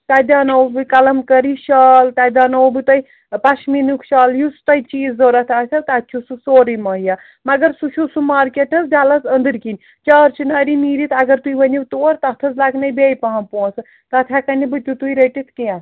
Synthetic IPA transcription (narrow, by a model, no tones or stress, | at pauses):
t̪ad̪aːnɐwbɨkɐlɐmkɐɾiʃɐlt̪ad̪aːnɐwbɨt̪ɐj | paʃminukʰʃɐːljust̪ɐjt͡ʃiːzd͡zoɾɐt̪ʰat̪ʰɐt̪att͡ʃʰususoːɾimɐɦja | mɐɡɐɾsut͡ʃʰusumaːɾkeʈɐsd͡ʒalɐsɐnd̪ɨɾkin | t͡ʃɐːɾt͡ʃʰinaɾimiːɾit̪ʰɐɡɐɾt̪uibɐniwt̪oːɾt̪ɐt̪ʰɐzlaɡnɐjbejpɐɦɐ̃pos | t̪ɐt̪ʰjakɐnibɨt͡ʃut̪ujɾɐʈit̪ʰkiã